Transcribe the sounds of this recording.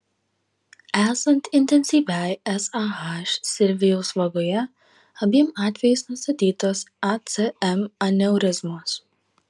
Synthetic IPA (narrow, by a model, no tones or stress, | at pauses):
æːsɐnt̪ɪnʲt̪ʲɛnʲsʲiːʋʲæjɛsɑɦɑʃsʲɪlʲʋʲɪjoːsʋɐɡoːjɛ | ɐbʲiɛmɑːt̪ʲʋʲɛjɪsnʊst̪ɐt̪ʲiːt̪oːsɐt̪sʲeɛmɐnʲɛʊɾʲɪzmos